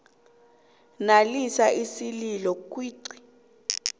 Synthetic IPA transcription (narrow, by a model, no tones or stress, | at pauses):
nalisaʔisililɔk̬ʼwiːǀi̥